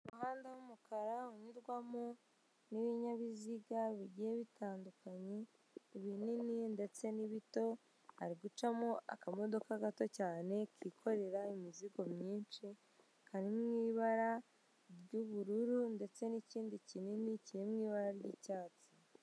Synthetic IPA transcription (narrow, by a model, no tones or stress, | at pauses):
umuhaːndahumukʰaɾauɲuɾɡwamo | niβiɲaβiziɡaβiɟijeβitʰaːndukaɲe̞ | iβinininde̞t͡se̞niβito̞ | aɾiɡut͡ʃamoʔa̰kamo̞do̞kaɡato̞caːne̞kikʰo̞ɾe̞ɾaimiziɡo̞mɲiːnʃi | kʰandimŋiːβaɾa | ɾɟuβuɾuɾunde̞t͡se̞niciːndicininicijemŋiːβaɾaɾɟiːcaːt͡si